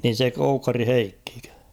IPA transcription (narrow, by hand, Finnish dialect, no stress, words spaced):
niːn̞ se koukːɑri heikːikø